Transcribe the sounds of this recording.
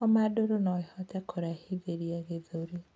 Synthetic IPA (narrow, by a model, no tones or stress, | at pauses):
ɔmadoɾonɔhɔtɛkʰoɾahiðeɾiaɣeðoɾi